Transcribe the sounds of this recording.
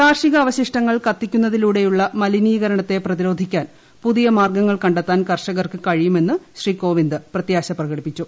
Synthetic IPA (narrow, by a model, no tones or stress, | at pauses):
k̪aːrʂiɣɐːʋɐɕiʂʈɐŋːɐɭkɐt̪ːikʲːunːɐðiluːɽe̞juɭːɐmɐliniːɣɐɾɐɳɐt̪ːe̞prɐt̪iɾo̞ːd̪ʱikʲːaːn | puðijɐmaːrɡɐŋːɐɭkɐɳɖet̪ːaːnkɐrʂɐɣɐrkɨkɐɻijume̞nːɨɕriːko̞ːʋind̪ɨprɐt̪jaːɕɐprɐɣɐɽipːit͡ɕːu